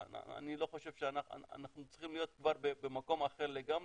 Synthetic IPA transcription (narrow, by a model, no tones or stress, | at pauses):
a̰a̰nilo̞χo̞ʃev̥ʃeanaa̰a̰naχnut͡siχimlijo̞t̪̚kvaʁbebemako̞maχeʁleɡam